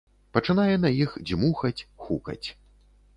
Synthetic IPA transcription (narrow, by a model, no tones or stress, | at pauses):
pɐt͡ʂɨnajɛnɐjixd͡zʲmuxɐt͡sʲxukɐ̰t͡sʲ